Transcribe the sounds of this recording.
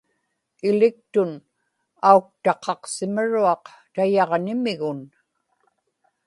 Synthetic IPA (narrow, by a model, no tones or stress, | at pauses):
ɪlɪk̚t̪ʊn | auk̚t̪ɑqʰɑqsɪməɻuɑq | t̪ajɑʁnɪmɪɣʊn